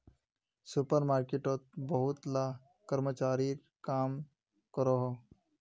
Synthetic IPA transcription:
sʊpəɾmaːɾkeʈot̪̚bɐɦʊt̪la | kəɾmət͡ʃaːɾi | kaːm | kəɾoɦo

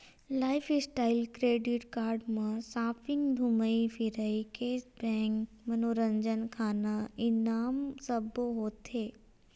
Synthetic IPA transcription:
laːɪfʰɪsʈaːɪlkɾeːɖɪʈkaːɾɖmãsaːpʰɪ̃ŋɡd̪ʱuməipʰiɾəikeːsbɛ̃ŋk | mɐnoɾə̃ɲd͡ʒənkʰaːnaɪnaːmsɐboɦoːt̪eː

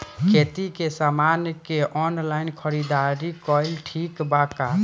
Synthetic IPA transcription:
kʰet̪ikesamanjkeʔɔnlainkʰəɾid̪aɾikɔjlʈʰikbaka

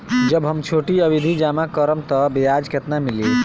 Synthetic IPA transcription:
d͡ʒəbɦəmt͡ʃʰoʈiəbid̪ʱid͡ʒamakəɾəmt̪ɔbejad͡ʒket̪namili

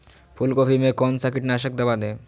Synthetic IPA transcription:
pʰulkopʰimẽkɔnsakiʈnaʃək̚d̪ɐbad̪ẽː

